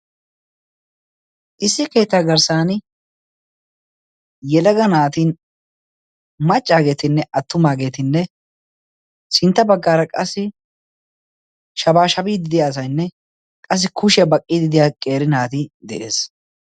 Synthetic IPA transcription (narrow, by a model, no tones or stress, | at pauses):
ʔɪsːɪke̞ːt̪ːaːɡɐɾsaːn | jɛlɐɡɐnaːt̪iːn | mɐt͡ʃʼːaːɡe̞ːt̪ɪnːɛʔɐt̪ːʊmaːɡe̞ːt̪ɪnːɛ | sɪnt̪ːɐbɐɡːaːɾɐkʼɐsːɪ | ʃɐbaːʃɐbiːd̪ɪd̪ɪjaːs̬ɐjnːɛ | kʼɐs̬ːɪkʰʊʃɛbɐkʼːiːd̪ɪd̪ɪjaːkʼe̞ːɾɪnaːt̪ɪd̪ɛʔe̞̰ːs